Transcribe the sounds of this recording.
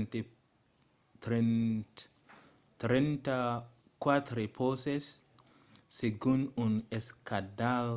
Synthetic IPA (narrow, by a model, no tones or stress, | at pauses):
nt̪ | t | t̪ɾɛnt̪a | kwat̪ɾepʰosesː | eɡununeskadal